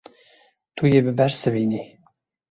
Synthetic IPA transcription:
t̪ʰujebɨbæɾsɨvini

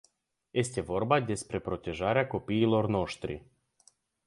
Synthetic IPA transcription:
jest̪ʲe̞vo̞rbad̪e̞spɾe̞pɾot̪ʲe̞ʒaɾeako̞piːlo̞rnoʃt̪ɾḭ

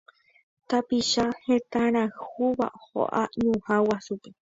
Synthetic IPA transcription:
t̪apiʃahẽt̪aɾ̃ãhuβa̰ho̰ʔa̰ɲũhãwasupe

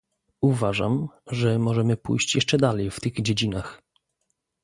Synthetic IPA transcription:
uvaʐa̰mʐɛmɔʐɛmɘpṵjɕt͡ɕjɛʂt͡ʂɛd̪alɛjft̪ɘɣd͡ʑed͡ʑinax

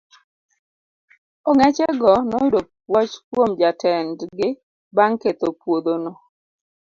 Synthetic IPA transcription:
ɔŋɛt͡ʃɛɡɔnɔjʊdo | wɔt͡ʃkwomd͡ʒatʰɛndɡɪ | baŋket̪opwod̪ono

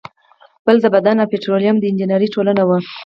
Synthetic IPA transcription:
b̥əld̪əbad̪anawpeʈɾolijamd̪əɪnd͡ʒinəɾiʈolanawə

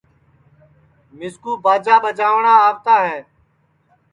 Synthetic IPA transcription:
mɪskuːbaːd͡ʒaːɓəd͡ʒaːʋɳãːaːft̪aːɦɛː

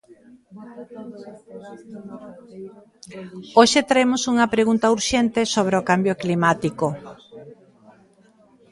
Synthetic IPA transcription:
oʃet̪ɾaemʊsuŋɐpɾeɣunt̪ɐuɾʃent̪esoβ̞ɾeokambjoklimat̪iko

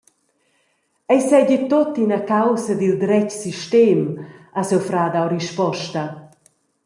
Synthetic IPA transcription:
ɛjsɛɟit̪ot̪inakawsad̪ild̪ɾɛcsiʃt̪ɛmasɛwfɾaːd̪awɾiʃpɔʃt̪a

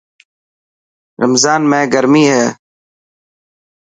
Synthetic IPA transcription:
ɾəmzaːnmẽːɡəɾmiːɦɛː

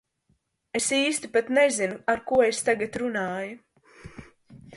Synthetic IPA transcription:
e̞siːst̪ipat̪nezinuaɾkuɔest̪aɡat̪ɾunaːju

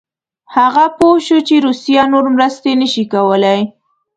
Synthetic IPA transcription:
haɣapoʃut͡ʃeɾusijanoɾmɾəst̪enəʃikawəlaj

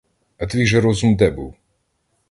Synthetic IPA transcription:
ɐt̪ʋʲiʒɛɾɔzumd̪ɛbṵw

